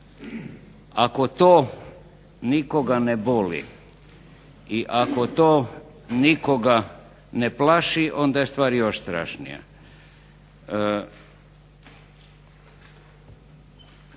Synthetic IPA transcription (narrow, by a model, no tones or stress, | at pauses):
ako̞t̪oː | nikoɡanebolḭ | iʔakot̪oː | nikoɡa | neplaʃiʔo̞nd̪ajest̪ʋaːɾjoʃst̪ɾa̰ːʃnḭja̰